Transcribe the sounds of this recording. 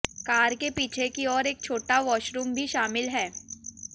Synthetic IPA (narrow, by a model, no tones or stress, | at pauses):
kaːɾkepiːt͡ʃʰekiɔːɾeːk̚t͡ʃʰoːʈaʋɔːʃɾuːmbʱiʃaːmɪlɦɛː